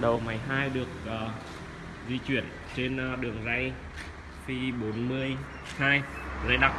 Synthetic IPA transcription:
ɗə˨˩wma˨˦jɦaː˧jɗɨ˨˩ək̚ː | zi˧t͡ɕwḭ˧˨ən | t͡ɕe˧n˧ɗɨ˨˩əŋza˧j | fi˧ɓo˨˦nmɨ˧əj | haː˧jza˧jɗa˦˥k̚

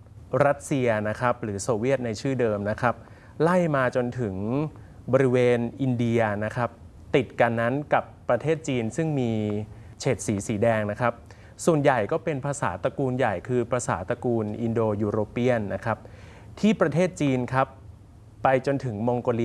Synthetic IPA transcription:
ɾa˦˥t̪̚si˧ɐna˦˥kʰa˦˥p̚ɾɯː˩˦soː˧wi˦˥˩ət̪̚na˧jt͡ɕʰɯː˥˩dɤː˧mna˦˥kʰɾa˦˥p̚ | la˥˩jmaː˧t͡ɕo˧nt̪ʰɯ˩˦ŋ | bɔː˧ɾi˦˥weː˧nʔi˧ndi˧ɐna˦˥kʰa˦˥p̚ | t̪i˨˩t̪̚ka˧nːa˦˥nka˨˩pːɾa˧t̪ʰeː˥˩t̪̚t͡ɕiː˧nsɯ˥˩ŋmiː˧ | t͡ɕʰeː˨˩t̪̚siː˩˦siː˩˦dɛː˧ŋna˦˥kʰɾa˦˥p̚ | su˨˩ənja˨˩jkɔː˥˩pe˧npʰaː˧saː˩˦t̪a˧kuː˧nja˨˩jkʰɯː˧pʰɾaː˧sa̰ː˩˦t̪a˧kuː˧nʔi˧ndoː˧juː˧ɾoː˧pːi˥˩ənːa˦˥kʰa˦˥p̚ | t̪ʰiː˥˩pɾa˧t̪ʰeː˥˩t̪̚t͡ɕiː˧nkʰa˦˥pː | a˧jt͡ɕo˧nt̪ʰɯ˩˦ŋmo˧ŋkoː˧li˧

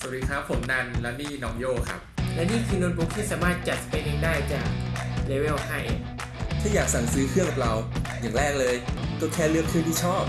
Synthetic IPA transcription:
sa˨˩˦diː˨˦˥kʰɾa˦˥pʰːo˩˦mna˧nlɛ˦˥miː˥˩nɔː˦˥ŋjoː˥˩kʰa̰˦˥p̚lɛ˦˥niː˥˩kʰɯː˧noː˧nbu˦˥k̚t̪ʰiː˥˩saː˨˩˦maː˥˩t̪̚t͡ɕa˨˩t̪̚spe˧ne˧ŋdaː˥˩jt͡ɕaː˨˩k̚leː˧˦we˥˩wha˥˩j | t̪ʰaː˥˩jaː˨˩k̚sa˨˩˦ŋsiː˦˥kʰɯ˥˩əŋka˨˩p̚la˧wja˨˩ŋɾɛː˥˩k̚lɤː˧jt̪ɔ˧˥˩k̪ʰɛː˧lɯ˥˩əkʰːɯ˥˩ŋt̪ʰiː˥˩t͡ɕʰɔː˥˩p̚

